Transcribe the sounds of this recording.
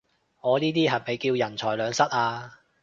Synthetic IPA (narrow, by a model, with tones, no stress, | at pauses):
ŋɔː˨˧niː˥t̪iː˥ɦɐ˨˩me˨˧jkiː˧wjɐ˨˩nt͡ʃʰɔː˨˩jlœː˨˧ŋsɐ˥t̚ʔaː˧